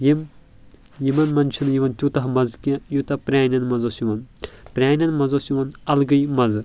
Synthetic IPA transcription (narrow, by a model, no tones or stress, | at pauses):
jim | jimɐnmɐnt͡ʃʰinjiʋɐnt̪ʲut̪ɐɦmɐzkʲãjut̪ɐpɾʲaːnʲɐnmɐzosjiʋɐnpɾʲaːnʲɐnmɐzosjiʋɐnɐlɡɐjmɐz